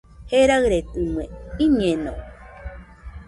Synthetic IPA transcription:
heɾaɰɾet̪ɨmwẽiɲẽnõ

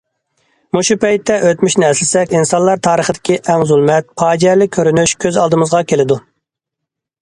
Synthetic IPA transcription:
muʃupʰɛjt̪ːɛʔøt̪myʃnɪɛslɪsɛkʲinsɑnlˠɑɾt̪ʰɑːɾəχəd̪ɪkʲiʔɛŋzulˠmɛt̪̚pʰɑːd͡ʒɛɾlɪkʲʰːøɾynyʃkʲʰøzɑlˠd̪ɨmɨzʁɑkʲʰelɪd̪u

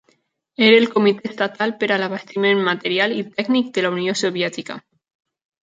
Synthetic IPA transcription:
eɾelkomit̪est̪at̪alpeɾalaβast̪imenmat̪eɾjalit̪ɛɡnik̚d̪elauniosoβjɛt̪ika̰

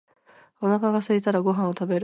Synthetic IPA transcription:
o̞nakaɡasɨit̪aɾaɡo̞ɦãɰ̃ot̪abe̞ɾ

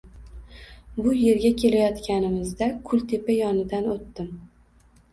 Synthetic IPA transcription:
bʊje̞ɾɡʲakʲʰe̞lajɒt̪kʲʰanɪmɪzd̪akʰʊlt̪ʰe̞pajɒnɪd̪anot̪ːɪm

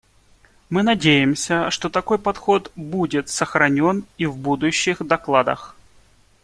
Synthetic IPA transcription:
mɨnɐdʲejɪmsʲəʂt̪ot̪ɐko̞jpɐt̪xo̞t̪budʲɪt̪səxɾɐnʲo̞nivbud̪ʊɕːɪxd̪ɐklˠad̪ə̰x

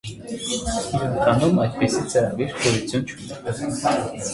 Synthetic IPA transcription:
ɑnumɑjd̪̚pisit͡səɾɑɡiɾpʰɔzit͡sʰjunt͡ʃʰunɛ

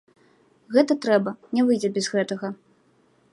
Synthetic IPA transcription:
ɣɛt̪ɐt̪ɾɛbɐnʲɛvɨjd͡zʲɛbʲɛzɣɛt̪ɐɣɐ

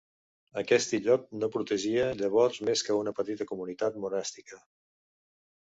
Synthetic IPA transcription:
əkɛst̪iʎɔk̚nopɾut̪əʒiəʎəβ̞ɔrzmeskəunəpət̪it̪əkumunit̪at̪munɛst̪ikə

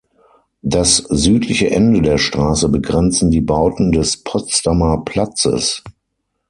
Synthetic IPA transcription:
daszyːtʰlɪçəʔɛndədeːɐʃtʁ̥aːsəbəɡʁɛnt͡sn̩diːbaʊtn̩dɛspʰɔt͡stamɐpʰl̥at͡sə̰s

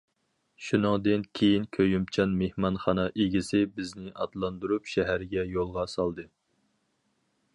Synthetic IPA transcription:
ʃunɨŋd̪ɨnkʲʰejinkʲʰøjymt͡ʃʰɑnmehmɑnχɑnɑʔeɡʲisɪbɪznɪʔɑd̪lˠɑnd̪uɾupʃɛɦæɾɡʲɛjolˠʁɑsɑlˠd̪ɨ

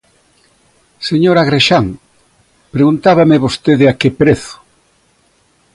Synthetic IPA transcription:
seɲoɾaɣɾeʃaŋ | pɾeɣunt̪aβɐmɪβost̪eðɪakepɾeθʊ̥

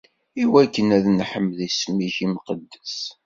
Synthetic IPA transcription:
iwækːənæðnħəmːðismiçimqəd̪ːəs

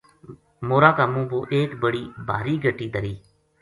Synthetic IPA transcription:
moːɾaːkaːmũːboːʔeːkbəɽiːbʱa̰ːɾiːɡʱəʈiːd̪əɾiː

